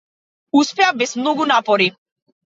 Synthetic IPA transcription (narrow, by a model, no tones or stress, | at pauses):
uspɛabɛsmnɔɡunapɔɾi